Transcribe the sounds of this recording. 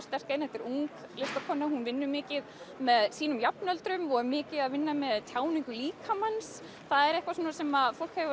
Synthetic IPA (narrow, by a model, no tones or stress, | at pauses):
st̪ɛr̥kajnhɛft̪ɪɾuŋklɪst̪akʰɔnːahunvɪnːʏmɪːcɪðmɛðsiːnʏmjapnœlt̪ɾʏmɔɣmɪːcɪðaðvɪnːamɛðt̪ʰjaːwniŋkʏliːkʰamans | θaðɛɾɛhkvasuːnasɛmaðfowl̥khɛvʏ